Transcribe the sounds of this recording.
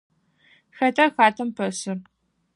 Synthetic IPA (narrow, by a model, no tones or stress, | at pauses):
xɐtʰɐxaːtʰɐmpʰɐsɨr